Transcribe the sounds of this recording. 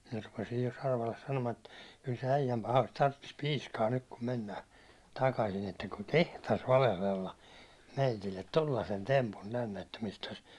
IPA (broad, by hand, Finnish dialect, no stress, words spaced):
minæ rupesij jo sɑrʋɑlːes sɑnomɑː et kyl se æijæm pɑhɑin tɑrtːis piːskɑː nyt kum menːæː tɑkɑsin etːæ kuŋ kehtɑs ʋɑlehlelːɑ meitilːet tolːɑsen tempum tænːe etːæ mistæs